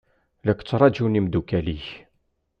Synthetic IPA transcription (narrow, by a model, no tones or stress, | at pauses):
lækːt͡sːɾˤɑd͡ʒunimd̪ukæliç